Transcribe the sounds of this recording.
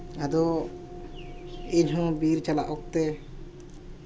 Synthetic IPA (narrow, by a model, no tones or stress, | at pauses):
ad̪ɔ | iɲɦɔ̃biɾt͡ʃalaʔɔk̚t̪ɛ